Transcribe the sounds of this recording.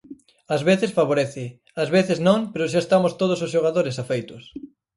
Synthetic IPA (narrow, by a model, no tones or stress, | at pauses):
ɐzβeθɪsfaβoɾeθɪ | azβeθɪznõŋpeɾʊʃ̬aest̪amʊst̪oð̞ʊsʊsʃoɣaðoɾɪsafejt̪ʊs